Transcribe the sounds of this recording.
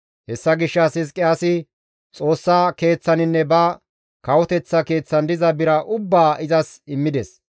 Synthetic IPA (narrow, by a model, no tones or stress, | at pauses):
hɛsːɐɡɪʃːɐsɪs̬kʼɪaːsɪ | t͡sʼo̞ːsːaːke̞ːt͡sːɐnɪnːɛbɐ | kɐwɔt̪ɛt͡sːɐke̞ːt͡sːɐnd̪ɪzɐbɪɾɐʔʊbːaːʔɪzɐsɪmːɪd̪ɛs